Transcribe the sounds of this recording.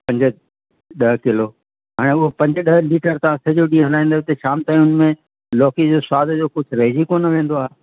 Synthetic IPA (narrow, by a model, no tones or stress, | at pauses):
pɐ̃ɲd͡ʑʊ | ɗɐɦkɪloː | ɦaːɽ̃eʊɦopɐ̃ɲd͡ʑ̆ɗɐɦliːʈəɾt̪ɐʋ̤ãsɐd͡ʑoɖiɦɐlaːĩnd̪aːet̪ɐʃaːmt̪aːʊnmẽ | lɔːkid͡ʑoːswaːd̪ʱd͡ʑoːkʊd͡ʑʱɾeɦd͡ʑikonɐʋẽːnd̪oaːɦe